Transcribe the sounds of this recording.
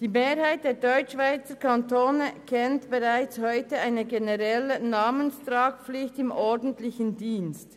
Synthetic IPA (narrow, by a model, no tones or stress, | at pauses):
d̥iːmeːɾhaɪt̚d̥eːdɔʏt͡ʃːv̥aɪt͡səkʰantoːnəkʰɛntb̥ɛʁaɪt͡shɔʏtəaɪnəɡenəʁɛlənaːmənstɾaːk̚p͡flɪçtɪmʔɔɹdən̩tlɪçən̩diːnst